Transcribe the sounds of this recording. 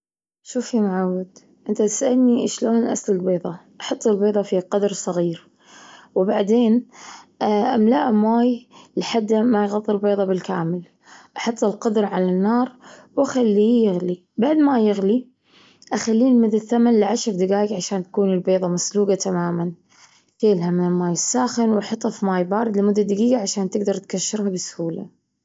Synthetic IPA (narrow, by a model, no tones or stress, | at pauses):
ʃuːfimaʕawːad̪ | ʔɪnt̪at̪ɪ̥sʔalniʔɪʃloːnʔa̰slaɡbeːðˤɑʔɑħɑt̪ˤːɪlbeːðˤɑfiqɑd̪ɾsˤɑɣiːɾ | wbaʕd̪eːn | ʔamla̰ːʔmwaːjlħad̪ːamajɣɑðˤːɨlbeːðˤɑbɪlkaːmɪl | ʔɑħɑt̪ˤːɪlqɑd̪ɾʕalanːɑːɾˤwaxalːiːjɪɣli | baʕd̪majɪɣli | ʔaxalːiːnmɪðɪθamanlɪʕaʃɾd̪aɡaːjɡʕaʃaːnt̪ḁkuːnɪlbeːðˤɑmasluːɡat̪ʰamaːman | keːlɦamɪnɪlmaːjɪsːaːxɪnwʔɑħɑt̪ˤːɑfmaːjbaːɾˤɪd̪lɪmʊd̪ːad̪aɡiːɡaʕaʃaːnt̪ɪɡd̪ɑɾˤt̪kaʃːɪɾhabɪsʊ̥huːla̰